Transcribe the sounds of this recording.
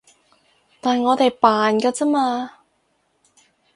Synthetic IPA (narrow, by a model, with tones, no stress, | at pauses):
t̪aː˨˩nŋɔː˨˧t̪e˨jpaː˨nkaː˧t͡sɐ˥maː˧